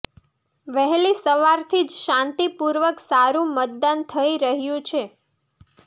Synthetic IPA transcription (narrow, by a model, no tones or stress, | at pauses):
ʋəɦelisəʋaɾt̪ʰid͡ʒʃãnt̪ipuɾʋəksaɾũmət̪̚d̪ant̪ʰəiɾəɦjũt͡ʃʰe